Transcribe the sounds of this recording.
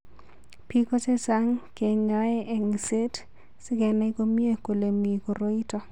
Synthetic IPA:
pi˦kɔ˦t͡ʃe˦sa˦ŋke˨ɲɔ˦ɛ˦ɛ˨ŋse˦t | sɪ˦ɡɛ˨nɛ˦ko˦mi˦e˦ko˨le˨mi˨ko˨ɾo˦i˦tɔ˨

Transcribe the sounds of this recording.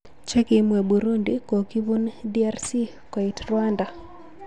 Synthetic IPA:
t͡ʃe˦kimwe˨buɾu˦ndiko˨ki˦βu˦ndi˦a˦rsi˦ | ko˨itrwanda˨

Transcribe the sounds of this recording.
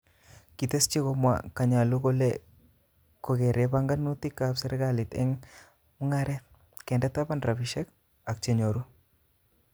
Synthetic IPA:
ki˨t̪e˦st͡ʃi˦ko˧mwa̰˨ka˨ɲa˨lu˦ko˦le | ko˨ɡe˨ɾe˦ba˦ŋɡa˦nːu˦t̪i˦kapsɛ˦ɾɡalɪ˨t̪ɛ̰˦ŋ | mu˦ŋa˦ɾɛ | kɛ˨ndɛ˦t̪a˦pa˦nɾa˨biʃɛ˦k | a˨k̚t͡ʃe˦ɲo˨ɾu˦

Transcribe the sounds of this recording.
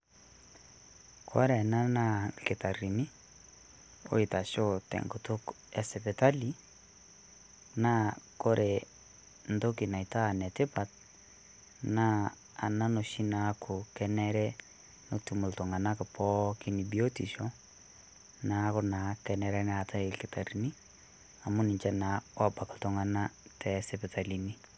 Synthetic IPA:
kʰɔ˦ɾɛ˨na˦na˦kɪ˨ta˨ɾi˨ni˦ | o̰˦i˨ta˨ʃo˦tɛ̰˨ŋɡo˨tʊ˦k | ɛ˨sɛ˨pɛ˨ta˦li˦ | na˦ko˦ɾʔɛ˨ | n̩˨do˦ki˨na˨i˨ta˦˨nɛ˨tɪ˦pa˨t̚ | na˦ | a̰˨na˦no˨ʃi˦na˨˦kʰʊ˨kɛ˦nɛ˦ɾɛ˦ | no˨tu˨mʊ˨ltʊ˨ŋa˨na˦kɪ˨pɔ˦kɪ˦ni˨bi˨o˦ti˨ʃɔ˦ | na˦kʊ˦na˨kɛ˨nɛ˨ɾɛ˦nɛ˨a˨tʰa˦ɪlkɪ˨ta˨ɾi˨ni˦ | a˨mʊ˦nɪ˨ɲt͡ʃɛ˦nawa˦ba˨kɪ˨ltʊ˨ŋa˦na˦tɛ˨sɛ˦pɛ˨ta˨lini˦

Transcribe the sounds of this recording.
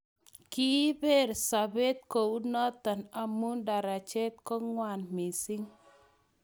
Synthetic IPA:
ki˦be˦˨ɾsa˨be˦t̪̚kɔ˨u˦nɔ˦t̪ːa˨na˨mu˦nda˨ɾa˨t͡ʃe˦t̪̚kɔ˦ŋwa˨nmi˨si˦ŋ

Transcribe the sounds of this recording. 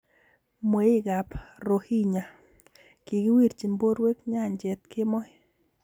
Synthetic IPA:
mwe˨˦i˦ɡa˨pɾo˨hi˦ɲa˨ | ki˨ɡi˦wi˦ɾt͡ʃi˨mbo˦ɾwe˦kɲa˦˨ɲd͡ʒɛ˨t̪kɪ˦mɔ˦ɪ˦

